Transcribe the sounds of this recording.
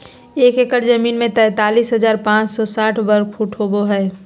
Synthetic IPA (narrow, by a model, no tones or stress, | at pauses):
eːkekəɾd͡ʒəmiːnmẽt̪ɛ̃ːt̪aːliːsɦəd͡ʒaːɾpãːt͡ʃsɔsaːʈʰbəɾkʰfʰuːʈʰɦoboɦɛː